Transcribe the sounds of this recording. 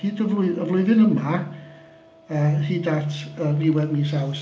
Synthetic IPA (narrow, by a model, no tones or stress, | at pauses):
hiːdəvlʊɨəvlʊɨðɨnəma | əːhiːdatʰərɪwɛdmiːsaws